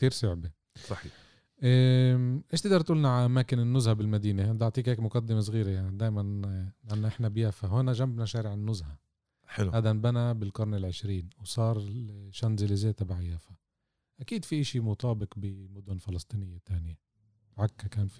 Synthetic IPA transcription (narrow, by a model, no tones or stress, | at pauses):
k̚t̪iːɾsʊʕbe | sˤɑħiː | ʔ | ʔɪʃt̪ɪd̪ɑɾˤt̪ʔuːlnaʕaʔamaːkɪnɪnːʊzhabɪlmad̪iːneɪd̪aʕt̪ˤiːkheːkmʊqad̪ːɪmes̬ˤɣiːɾejanid̪aːjmanlanːaʔɪħnabjaːfaɦoːnaʒambnaʃaːɾɪʕɪnːʊzha | ħɪaːd̪anbanabɪlkʊɾˤnɪlʕɪʃɾiːnwsˤɑːɾˤʃanzɪlɪzeːt̪abaʕjaːfa | ʔakiːd̪fiʔaʃimʊt̪ˤɑːbɪqbɪmʊd̪ʊnfɪlɑst̪ˤiːnɪjːat̪aːnje | bʕakːakaːnfi